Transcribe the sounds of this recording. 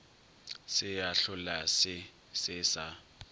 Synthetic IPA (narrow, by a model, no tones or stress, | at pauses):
sɪjaɬʊlasɪ | sɪsa